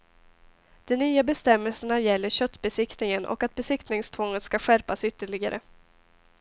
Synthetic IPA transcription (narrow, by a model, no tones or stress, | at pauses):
d̪̥ɔnyːabɛst̪ɛmːɛlsəɳajɛlːəɾɕœt̪ːbɛsɪkt̪nɪŋənʔɔ̰kat̪̚bɛsɪkt̪nɪŋst̪ʰvɔŋːət̪skaɧæɾpasʏt̪ːəɭɪɡaɾʔə̰